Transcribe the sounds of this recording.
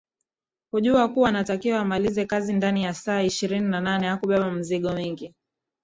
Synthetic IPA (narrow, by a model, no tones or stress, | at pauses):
kuʄuakuanatakiwaːmalizɛkazindanijasaːiʃiɾininananɛhakuɓɛɓam̩ziɠɔwiŋɡi